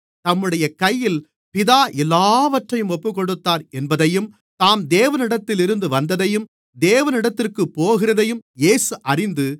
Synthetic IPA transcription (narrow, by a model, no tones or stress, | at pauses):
t̪ɐmːɯɽɐjɐkɐjːɪl | pɪðaːʔɛlːaːʋɐʈrɐjɯmɔpːɯkɔɽɯt̪ːaːɾɛnbɐðɐjɯm | t̪aːmd̪eːʋɐnɪɽɐt̪ːɪlɪɾɯnd̪ɯʋɐnd̪ɐðɐjɯm | d̪eːʋɐnɪɽɐt̪ːɪrkɯpːoːɣɪrɐðɐjɯmjeːsɯʔɐrɪnd̪ɯ